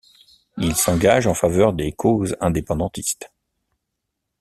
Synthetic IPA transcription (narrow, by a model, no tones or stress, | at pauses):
ilsɑ̃ɡaʒɑ̃favœʁd̪ekʰozɛ̃d̪epɑ̃d̪ɑ̃t̪ist̪